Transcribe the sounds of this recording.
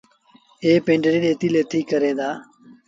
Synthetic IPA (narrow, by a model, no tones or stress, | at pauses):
eːpẽːɳɖɾiːɗeːt̪iːleːt̪ʰiːkəɾẽːd̪aː